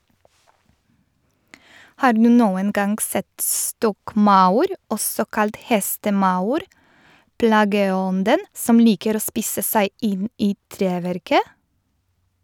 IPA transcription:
ˈhɑː ˈɖnʉː ˈnoːən ˈɡɑŋɡ ˈsɛt ˈstɔkˌmɑʊɾ ˈɔsɔ ˈkɑlt ˈhɛstəˌmɑʊɾ ˈplɑːɡəˌɔndən ˈsɔm ˈliːkəɾ ˈoː ˈspiːsə ˈsæɪ ˈɪn ˈiː ˈtɾeːˌʋɛɾkə

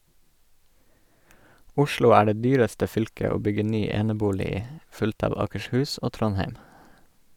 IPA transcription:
ˈʊʃlʊ ˈæː ˈɖeː ˈdyːɾəstə ˈfʏlkə ˈoː ˈbʏɡə ˈnyː ˈeːnəˌbuːlɪ ˈiː ˈfʉlt ˈɑːʋ ɑːkəʃˈhʉːs ˈoː ˈtɾɔnheɪm

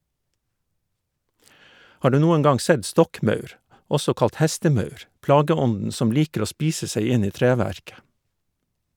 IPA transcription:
ˈhɑː ˈɖʉː ˈnuːəŋ ˈɡɑŋ ˈsɛd ˈstɔkˌmœʉɾ ˈɔsɔ ˈkɑlt ˈhæstəˌmœʉɾ ˈplɑːɡəˌɔndn̩ ˈsɔm ˈliːkəɾ ˈoː ˈspiːsə ˈsæɪ ˈɪn ˈiː ˈtɾeːˌʋæɾkə

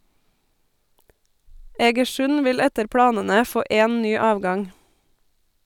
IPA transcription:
ɛɡəˈʃʉn ˈʋɪl ˈɛtəɾ ˈpɽɑːnənə ˈfoː ˈeːn ˈnyː ˈɑːʋˌɡɑŋ

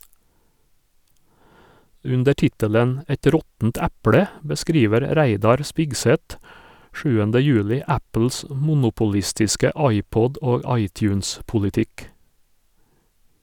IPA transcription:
ˈʉndə ˈʈɪtəlɛn ˈɛt ˈɾɔtn̩t ˈæpɽɛ bəˈskɾiːʋəɾ ˈɾæɪdɑɾ ˈspɪɡsɛt ˈʃʉːəndə ˈjʉːlɪ ˈæpl̩s m ˈmʊnʊpʊˌlɪstɪskə ˈɑɪˌpɔd ˈoːɡ ˈɑɪˌtjʉːns pʊlɪˈtɪk

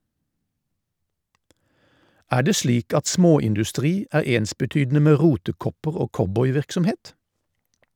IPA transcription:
ˈæː ˈɖeː ˈsliːk ˈɑt ˈsmoːɪndʉˌstʁiː ˈæːʁ ˈeːnsbəˌtyːdn̩ə ˈmeː ˈʁuːtəˌkɔpəʁ ˈoː ˈkɔbɔʏˌʋɪʁksɔmˌheːt

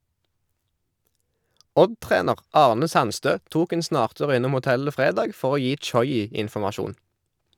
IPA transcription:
ˈɔdˌtʁeːnəʁ ˈɑːʁnə ˈsɑnˌstøː ˈtuːk ˈeːn ˈsnɑːʁˌtʉːʁ ˈɪnʊm ʊˈtɛlə ˈfʁeːdɑːɡ ˈfɔʁ ˈoː ˈjiː ˈt͡ʃɔʏˌiː ɪnfɔmɑˈʃuːn

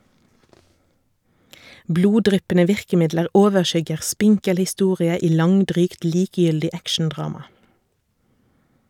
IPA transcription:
ˈbluːˌdʁʏpənə ˈʋɪʁkəˌmɪdləʁ ˈoːʋəˌʃʏɡəʁ ˈspɪŋkəl hɪˈstuːʁɪə ˈiː ˈlɑŋˌdʁyːkt ˈliːkjʏldɪ ˈækʃn̩ˌdʁɑːmɑ

